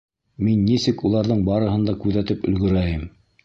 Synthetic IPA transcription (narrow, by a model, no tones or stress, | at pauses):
minːisɘkulˠɑɾðɤɴbɑɾɤ̆ɦɤ̆nd̪ɑkʉðæt̪ɘpɵ̆lɡɵ̆ɾæjɘm